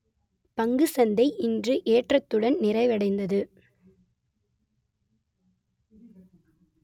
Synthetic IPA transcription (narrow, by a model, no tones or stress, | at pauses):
pɐŋɡɯsɐnd̪ɐɪʔɪndrɯʔeːʈrɐt̪ːɯɽɐnnɪrɐɪʋɐɽɐɪnd̪ɐðɯ